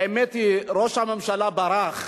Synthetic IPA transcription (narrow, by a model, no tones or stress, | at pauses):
ɛmɛt̪iɾoʃhamamʃalabaɾaχ